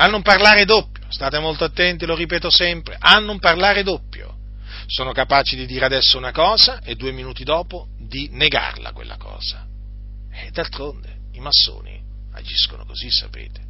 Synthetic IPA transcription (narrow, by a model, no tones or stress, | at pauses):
anːumparlaːɾed̪opːjost̪aːt̪emolt̪oat̪ːɛnt̪iloɾipeːt̪osɛmpɾeʔanːumparlaːɾed̪opːjo̰ | soːnokapaːt͡ʃid̪id̪iːɾead̪ɛsːounakɔːzaʔed̪ːueminuːt̪id̪ɔːpo | d̪ineɡa̰rla̰kwḛlːakɔ̰ːz̥a | ɛd̪alt̪ɾond̪e | imasːo̰ːnḭ | a̰d͡ʒiskono̰kozisːapḛːt̪e̥